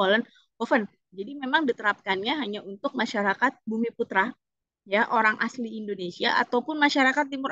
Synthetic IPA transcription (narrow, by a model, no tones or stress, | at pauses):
olən | bofən | d͡ʒadimemaŋdit̪əɾap̚kanɲaɦaɲaunt̪ʊk̚maʃaɾakat̪̚bumiput̪ɾa | jaʔoɾaŋʔasliːndonesia̰ʔa̰t̪awpʊnmaʃaɾakat̪̚timʊɾ